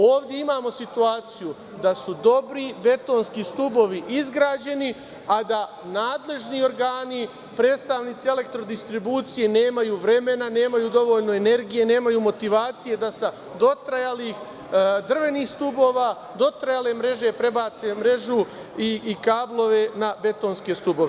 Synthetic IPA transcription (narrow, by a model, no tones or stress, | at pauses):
oːʋd̪ʲje̞imaːmo̞sit̪uaːt̪siju | d̪asud̪o̞bɾibe̞t̪o̞ːnskist̪ubo̞ʋiʔizɡɾaːd͡ʑe̞ni | ad̪a | naːd̪le̞ʒnio̞ɾɡaːni | pɾe̞ːd̪st̪aʋniːt̪iele̞k̚t̪ɾo̞d̪ist̪ɾibuːt̪sije̞ne̞ːmajuːʋɾe̞me̞nane̞ːmajuːd̪o̞ʋo̞ːʎno̞e̞ne̞ɾɡije̞ne̞ːmajuːmo̞t̪iʋaːt̪sije̞d̪asa | d̪o̞t̪ɾajaliːx | d̪r̩ʋe̞niːxst̪ubo̞ːʋa | d̪o̞t̪ɾajale̞mɾe̞ʒe̞pɾe̞baːt̪se̞mɾe̞ʒu | iːkaːblˠo̞ʋe̞nabe̞t̪o̞ːnske̞st̪ubo̞ʋe